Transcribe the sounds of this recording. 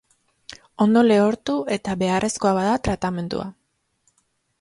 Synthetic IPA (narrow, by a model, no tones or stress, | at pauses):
o̞nd̪o̞le̞o̞ɾt̪ue̞t̪aβe̞arʔe̞sko̞aβaðat̪ɾat̪ame̞nd̪ṵa̰